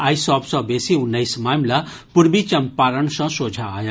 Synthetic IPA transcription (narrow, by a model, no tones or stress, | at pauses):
aːisɔːpsɔ̃beːsiʊnːəismaːmla | pʊɾbit͡ʃɐmpaːɾəɳsɐ̃soːd͡ʒʱaːja